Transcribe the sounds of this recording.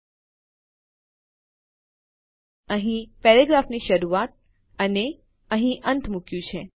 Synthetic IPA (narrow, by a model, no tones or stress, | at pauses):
əɦĩpɛɾeɡɾafniʃəɾuat̪̚ | əne | əɦĩʔənt̪ʰmukjũt͡ʃʰe